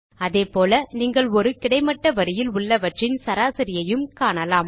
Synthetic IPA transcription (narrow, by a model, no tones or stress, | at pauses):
ɐðeːpoːlɐniːŋɡɐɭɔɾɯkɪɽɐɪmɐʈːɐʋɐɾɪjɪlʊɭːɐʋɐʈrɪnsɐɾaːsɪɾɪjɐjɯmkaːɳɐlaːm